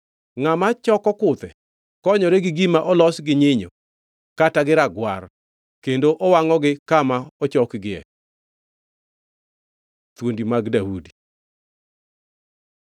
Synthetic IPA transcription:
ŋamat͡ʃɔkɔkʊt̪ɛ | kɔɲɔɾeɡɪɡimaʔɔlɔsɡɪɲɪɲo̰ | kataɡɪɾaɡwaɾ | kendoʔɔwaŋɔɡɪkamaɔt͡ʃɔkɡɪɛ̰ | t̪wondimaɡdaudi̥

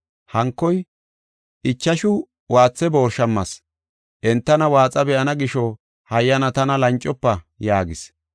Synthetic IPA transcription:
hɐŋkːɔj | ʔɪt͡ʃːɐʃʊ | waːt͡sːɛbo̞ːɾʃɐmːɐs | ʔɛnt̪ːɐnɐwaːt͡sʼɐbɛʔɐnɐɡɪʃɔ | hɐjːɐnɐt̪ɐnɐlɐnt͡ʃʼːɔpːɐ | jaːɡɪs

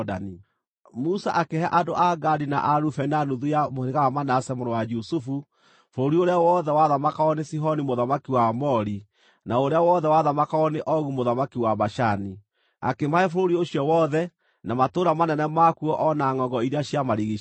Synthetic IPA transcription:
da̰ni | musaʔakehaʔadoʔaɡaɾina̰ʔaɾufɛnanuðujamoheɣawamanasɛmoɾowad͡ʒusufu | foɾoɾioɾeawɔðɛwaðamakaɔnesiɦɔnimoðamakiwamɔɾi | naoɾeawɔðɛwaðamakaɔneʔɔɣumoðamakiwaβaʃani | a̰kemaefoɾoɾioɕiɔwɔðɛ | namatoɾamanɛnɛmakuɔʔɔnaŋɔɡɔiɾaɕjamaɾiɣi

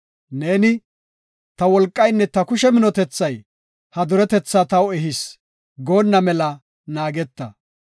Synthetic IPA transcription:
ne̞ːnɪ | t̪ɐwɔlkʼːɐjnːɛt̪ɐkʊʃɛmɪnɔt̪ɛt͡sːɐj | hɐd̪ʊɾɛt̪ɛt͡sːat̪ɐwɛɦɪs | ɡo̞ːnːɐmɛlɐ | naːɡɛt̪ːɐ

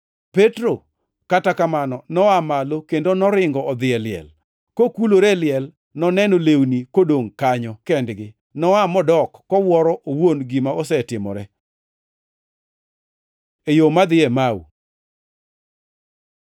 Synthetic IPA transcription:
petɾo | katakamanɔnɔamalokendonɔɾɪŋɡɔɔd̪ɪɛlɪɛ̰l | kokuloɾɛlɪɛl | nɔnɛnolewnikodoŋkaɲɔkɛndɡɪ | nɔamɔdɔkːɔwɔɾɔʔowonɡimaosɛtɪmɔ̰ɾɛ | ejomad̪ɪɛmawṵ

